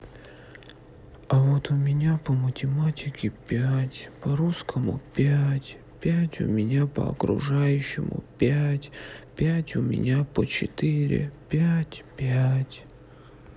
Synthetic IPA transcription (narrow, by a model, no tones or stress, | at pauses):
ɐvot̪ʊmʲɪnʲapəmətʲɪmatʲɪkʲɪpʲætʲpəɾuskʰəmʊ̰pʲætʲ | pʲætʲʊ̰mʲɪnʲapə̰ɐ̰kɾʊ̰ʐajʉɕːɪmʊ̰pʲætʲpʲætʲʊmʲɪ̰nʲapət͡ɕɪ̰t̪ɨɾʲɪ̰pʲætʲpʲætʲ